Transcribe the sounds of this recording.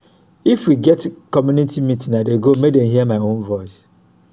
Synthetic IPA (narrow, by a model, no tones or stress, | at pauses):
ifwiɡɛtkɔmjũnitʰimĩtʰĩŋnadeɡomedɛ̃mhiɛmaɪõnvɔɪs